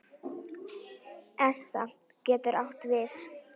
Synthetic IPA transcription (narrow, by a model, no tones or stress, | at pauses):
ɛsa̰ | cɛːt̪ʏɾʔawht̪vɪθ